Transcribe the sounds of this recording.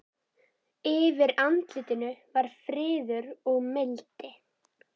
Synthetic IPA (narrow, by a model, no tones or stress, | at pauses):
ɪvɪɾant̪lɪːt̪ɪnʏvaɾ̥fɾɪːðʏɾɔɣmɪlt̪ɪ